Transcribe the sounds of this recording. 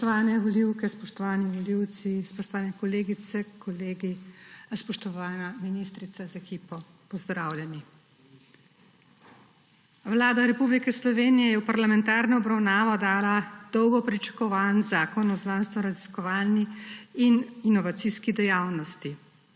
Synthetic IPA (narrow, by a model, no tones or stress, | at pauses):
t̪ɔaːnɛʋɔliwkɛspɔʃt̪ɔʋaːniʋɔliwt̪sispɔʃt̪ɔʋaːnɛkɔleːɡit̪sɛkʰɔleːɡispɔʃt̪ɔʋaːnaminist̪ɾit̪sazaɛkiːpɔ | pɔzd̪ɾaːwlʲjɛni | ʋlaːd̪aɾɛpublikɛslɔʋeːnijɛjɛwpaɾlamɛnt̪aːɾnɔɔbɾawnaːʋɔd̪aːlad̪̥ɔwɡɔpɾit͡ʃḁkɔʋanzaːkɔnɔznaːnst̪ʋɔɾaziskɔʋaːlniːninɔʋat̪siskid̪ɛjaːwnɔst̪i